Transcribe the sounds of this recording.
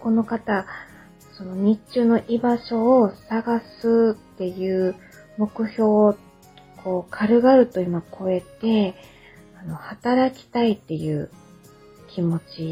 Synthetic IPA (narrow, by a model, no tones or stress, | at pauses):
ko̞no̞kat̪a | so̞no̞ɲ̟it͡ɕɨːno̞ʔibaɕo̞ːsaɡasɨt̪ːe̞jɯ̟ː | mo̞kɯ̟ço̞ː | kʰo̞ːkʰaɾɯ̟ɡaɾɯ̟t̪o̞imakʰo̞e̞t̪e̞ | ano̞hat̪aɾakʲi̥t̪ait̪ːe̞jɯ̟ː | kʲimo̞t͡ɕi